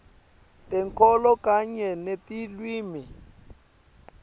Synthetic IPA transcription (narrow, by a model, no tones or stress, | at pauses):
tɛŋkɔlɔkaɲɛnetilwiːmi